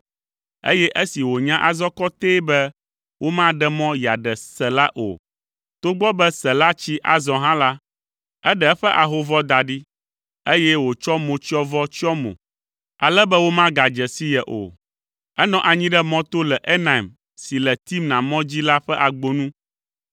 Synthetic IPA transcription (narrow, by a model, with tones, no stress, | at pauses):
ḛ˦jɛ˦ʔə˦si˨wo˨ɲã˦ʔa˨zɔ˦kɔ˦t̪eː˦bɛ˦ | wʔo˦mã˦ɖɛ˦mɔ̃˦ji˨a̰˨ɖɛ˨sɛ˨la˦ʔo̰˨ | t̪o˦ɡ͡bɔ˦bɛ˦sɛ˨la˦t͡ɕi˦ʔa̰˨zɔ̃˨ɦã˦la˦ | ɛ˦ɖɛ˦ɛ˦ɸɛ˦ʔa˨ɦo˦vɔ˦d̪a˨ɖi˦ | e˦jɛ˦wo˨t͡ʃɔ˦mo˨t͡ʃi˦ɔ˦vɔ˦t͡ʃɔ˦mõ̰˨ | a̰˨lɛ˦bɛ˦wo˦mã˦ɡa˨d͡ʒɛ˨si˦jɛ˨ʔo̰˨ | ɛ˦nɔ̃˦ʔa˨ɲĩ˦ɖɛ˦mɔ̃˦t̪o˦lɛ˨ʔe˦na˨i˨m | si˨lɛ˨t̪i˦mnã˨mɔ̃˦d͡ʑi˦la˦ɸɛ˦ʔa˨ɡ͡bo˦nũ˦